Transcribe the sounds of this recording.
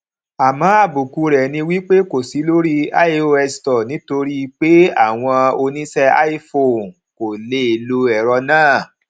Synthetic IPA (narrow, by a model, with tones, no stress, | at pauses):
a˨mãː˨˦a˦˨bu˨ku˧ɾɛ˨nĩ˧wi˦k͡pe˦ko˨si˨˦lo˦ɾi˦a˦i˦o˧ɛ˧stɔ˨nĩ˨˦to˧ɾi˦˧k͡pe˦a̰˦˨w̃ɔ̃˧o˧nĩ˦sɛ˦a̰˦i˦fo˦˨n | ko˨le˧˦e˨lo˧ɛ˨ɾɔ˧nãː˦˨